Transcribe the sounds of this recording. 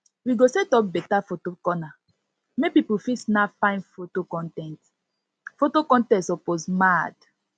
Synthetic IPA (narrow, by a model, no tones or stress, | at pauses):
wiɡosɛtɔp̚bɛtafotokɔna | mepipufisnafãɪ̃nfotokɔ̃ntɛ̃nt | fotokɔ̃ntɛ̃ntsɔposmad